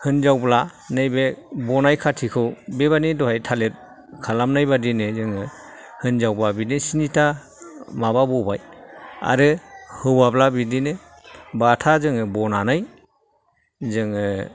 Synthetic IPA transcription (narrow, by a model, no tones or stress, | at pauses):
hɯnzawblanɯjbebɔnajkʰatʰikʰɯwbeβanidɔhajtʰalet̚ | kʰalamnajbadinezɯŋɯ | hɯnzawblabidesinitʰa | mababɔbaja̰ɾɯhɯwablabidine | batʰazɯŋɯbɔnanɯj | zɯŋɯ